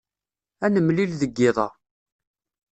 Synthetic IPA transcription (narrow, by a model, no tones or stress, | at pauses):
ænəmlilðəɡːɪðˤɑ